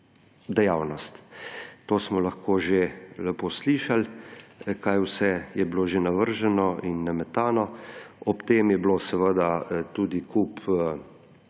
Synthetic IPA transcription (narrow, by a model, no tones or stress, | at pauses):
d̪ɛjawnɔst̪t̪oːsmɔlaxkoːʒelɛpoːsliːʃal | kajwsɛjɛbloːʒenaʋəɾʒɛnɔinːamɛt̪aːnɔɔpt̪eːmjɛblosɛʋəd̪at̪uːd̪ikupʰ